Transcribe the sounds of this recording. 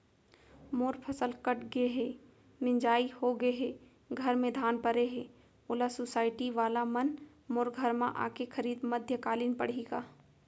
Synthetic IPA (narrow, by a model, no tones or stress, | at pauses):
moːɾpʰɐsəlkɐʈʰɡeɦɛː | nɪ̃ɲd͡ʒaːihoɡɐeɦɛː | ɡʱɐɾmẽd̪ʱaːnpɐɾeɦɛ̃ː | ʊlasʊsaːɪʈiʋaːlamɐn | moːɾɡʱɐɾmã̰ʔa̰ːkexɐɾiːd̪mɐd̪ʱjəkaːliːnpɐɽ̤eːɡaː